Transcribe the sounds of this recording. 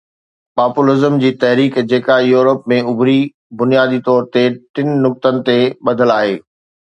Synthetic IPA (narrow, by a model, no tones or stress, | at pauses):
paːpʊlɪzəmd͡ʑiːt̪ɐɦɾiːkd͡ʑeːkajuːɾəpmẽʊbʱɾi | bʊnijaːd̪it̪ɔːɾt̪eʈɪnnʊk̚t̪ənɪ̆t̪eɓɐd̪ʱəlaːɦeː